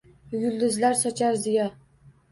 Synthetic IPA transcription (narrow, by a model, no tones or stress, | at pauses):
jʊld̪ɪzlaɾsɒt͡ʃʰaɾzɪja